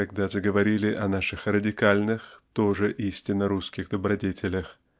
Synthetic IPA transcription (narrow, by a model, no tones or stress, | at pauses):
ɐɡ̚d̪aʐəɡəvɐɾʲilʲɪʔɐnaʂɨxrədʲɪkalʲnɨxt̪o̞ʐɨʔisʲtʲɪnːəɾuskʲɪɣd̪əbɾɐdʲetʲɪlʲəx